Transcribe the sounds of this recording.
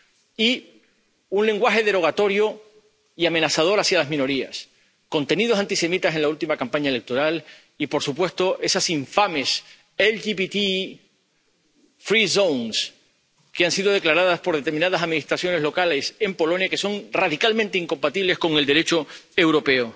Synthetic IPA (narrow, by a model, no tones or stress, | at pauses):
i | unle̞ŋɡwaxeðe̞ɾo̞ɣ̞at̪o̞ɾjo̞ | iame̞nasaðo̞ɾasjalazmĩno̞ɾias | ko̞nt̪e̞nið̞oant̪ise̞mit̪ase̞nlault̪imakampaɲaele̞k̚t̪o̞ɾal | ipo̞ɾsupwe̞st̪o̞ʔe̞sasiɱfame̞s | elʝiβit̪i | fɾisowŋs | keansiðo̞ð̞e̞klaɾaðaspo̞ɾð̞et̪emĩnað̞asaðmĩnist̪ɾasjo̞nelo̞kale̞se̞mpo̞lo̞njake̞so̞ŋraðikalmẽnt̪eiŋko̞mpat̪iβle̞sko̞ŋe̞ld̪e̞ɾe̞t͡ʃo̞e̞wɾo̞pe̞o